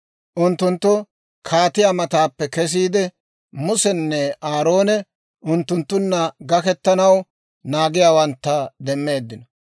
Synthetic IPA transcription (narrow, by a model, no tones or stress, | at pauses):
ʔʊnt̪ːʊnt̪ːʊ | kʰaːt̪ɪjamɐt̪aːpːɛkɛs̬iːd̪ɛ | mʊsɛnːɛʔaːɾoːnɛ | ʔʊnt̪ːʊnt̪ːʊnːɐɡɐkɛt̪ːɐnɐw | naːɡɪjaːwɐnt̪ːɐd̪ɛmːe̞ːd̪ːɪnɔ